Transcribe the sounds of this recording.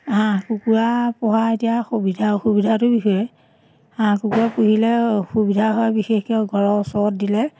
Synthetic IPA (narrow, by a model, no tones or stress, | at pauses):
ɦãkukuɹapɔɦaetijaxubidʱaxubidʱatʊbixɔjɛ | ɦãkukuɹapuɦilɛxubidʱaɦɔabixexkɛɡʱɔɹɔsɔɹɔt̚dilɛ